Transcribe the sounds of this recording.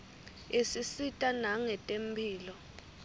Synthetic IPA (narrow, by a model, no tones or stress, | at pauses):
isisitʼanaŋɛtʼem̩pʰiːlɔ